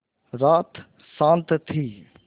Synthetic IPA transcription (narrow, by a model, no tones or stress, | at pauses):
ɾaːt̪ | sãːnt̪t̪ʰiː